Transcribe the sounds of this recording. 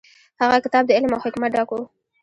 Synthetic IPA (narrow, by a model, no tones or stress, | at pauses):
haɣakɪt̪ɑb̚d̪əɪlmawhɪkmat̪̚ɖɑko